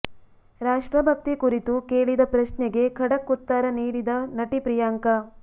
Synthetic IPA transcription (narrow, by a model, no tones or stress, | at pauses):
ɾaːʂʈɾɐbʱɐk̚t̪ikuɾit̪ukeːɭid̪ɐpɾɐʃnɛɡe̞kʰɐɽɐkːut̪ːaːɾɐniːɽid̪ɐnɐʈipɾijaːŋkɐ